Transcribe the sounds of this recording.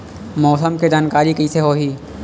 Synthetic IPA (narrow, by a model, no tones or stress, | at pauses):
mɔːsəmked͡ʒaːnkaːɾikɐiseɦoːɦiː